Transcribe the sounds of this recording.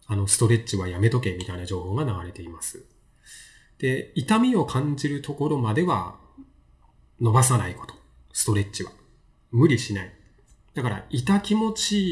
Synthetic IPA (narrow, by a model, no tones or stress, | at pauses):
ano̞sɨ̥t̪o̞ɾe̞t͡ɕiβajame̞t̪o̞ke̞mʲit̪ainaʑo̞ːho̞ːɡanaɡaɾe̞t̪e̞imasɨ̥ | d̪̥e̞it̪amʲio̞kʰãɲd͡ʑiɾɯ̟t̪o̞ko̞ɾo̞mad̪e̞βa̰ | no̞basanaiko̞̥t̪o̞̥ | sɨ̥t̪o̞ɾe̞tt͡ɕiβa̰ | mɯ̟ɾʲiɕinai | d̪̥akaɾa̰it̪akʲimo̞t͡ɕi